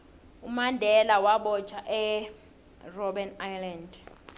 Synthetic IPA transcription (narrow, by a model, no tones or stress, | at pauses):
umandʱɛlawaɓɔ̥t͡ʃʰʼaʔɛ | rɔɓɛnajland